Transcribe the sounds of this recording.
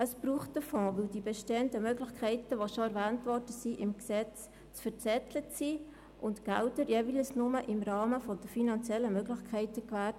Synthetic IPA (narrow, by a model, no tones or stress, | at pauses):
əsb̥ɾuːχtəfɔ̃ːʋɪldibɛʃteːəndəmøɡlɪχkʰɛɪtəʋoʃoæɾʋæːntʋɔrd̥əsiʔɪmksɛt͡s | t͡sfəɾt͡sɛt̪lət͡si | ʔʊntɡ̥æltəɾjeːʋilsnʊməʔɪmɾɑːməfɔd̥̪əfinɑnt͡sjɛlːəmøɡlɪxkʰɛɪtəkʋæːt